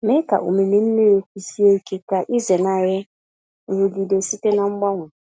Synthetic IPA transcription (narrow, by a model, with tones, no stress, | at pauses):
mɛ̃˦ka̰˨ʔʊ̰˨mĩ˨nĩ˦n̩˦nɪ̃˦ɾe˨ku˨si˦e˦˨kʰe˨ka˨ʔi˦zɛ˨nã˨ɾɛ˦˨ | wo˨di˨de˨si˦te˦nã˦m̩˦ɡ͡ba˦ŋʊ̃˨